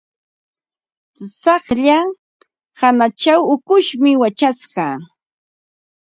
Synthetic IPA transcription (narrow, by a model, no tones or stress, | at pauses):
sɑχʎa | hanat͡ʃawʊkʊʃmɪwat͡ʃasɢɑː